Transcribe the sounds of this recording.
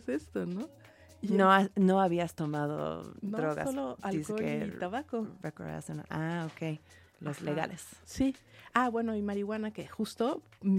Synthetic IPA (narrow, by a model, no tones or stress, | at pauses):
sest̪ono | noano̞aβiast̪o̞maðo̰nd̪ɾoɣa̰soloaliskeoḛt̪aβakorekoɾða̰son̰ʔaokej | lozleɣa̰lʔessiabwe̞noimaɾiɣwanakexust̪o̞